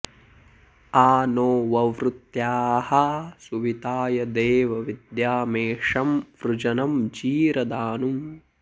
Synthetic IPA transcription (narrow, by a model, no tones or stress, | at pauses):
aːnoːʋɐʋɾut̪jaːhɐsuʋit̪aːjɐd̪eːʋɐʋid̪jaːmeːʂɐmʋɾud͡ʒɐnɐmd͡ʒiːɾɐd̪aːnum